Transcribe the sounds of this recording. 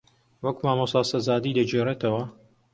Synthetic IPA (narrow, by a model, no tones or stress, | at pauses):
wɐkmaːmosaːsɐzaːd̪iːd̪ɐd͡ʒeret̪ɐwɐ